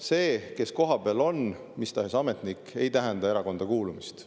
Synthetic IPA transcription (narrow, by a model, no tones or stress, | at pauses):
se̞ːke̞sko̞ɦɑb̥elo̞n | mist̪ɑɦesɑme̞t̪ˑnikːe̞jt̪æɦɛnd̪ɑe̞ɾɑko̞nd̪ɑkuːlumist̪